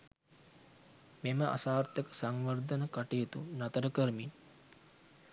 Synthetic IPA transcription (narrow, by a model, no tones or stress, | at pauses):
meməʔa̰saːrt̪əkə̥saŋʋərd̪ənəkaʈijət̪unat̪əɾəkəɾmin